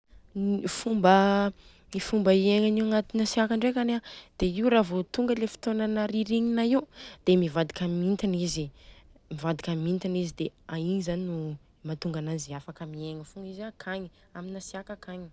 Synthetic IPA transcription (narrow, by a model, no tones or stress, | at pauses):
fumbə | mifumbəieŋaniuaŋat̪inasiakaɳɖ͡ʐekanad̪̥eiuɾavot̪uŋɡəlefi̥t̪onanaɾiɾiɲinaiud̪̥emivad̪ikamint̪inizimivad̪ikamint̪inizid̪eaiɲizaninu | mat̪uŋɡanaziafakamieŋəfuŋɡizakʰaɲi | aminasiakakʰaɲi̥